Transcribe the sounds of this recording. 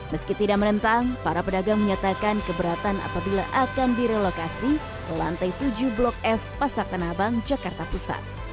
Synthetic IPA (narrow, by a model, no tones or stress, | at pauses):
məskit̪idaʔ̚mənənt̪aŋpaɾapədaɡaŋməɲat̪akankəbəɾat̪ana̰pabila̰ʔakanbiɾɛlokasi | əlant̪ajt̪ud͡ʒublɔk̚ɛfpasak̚t̪ənabaŋd͡ʒakart̪apusa̰t̪̚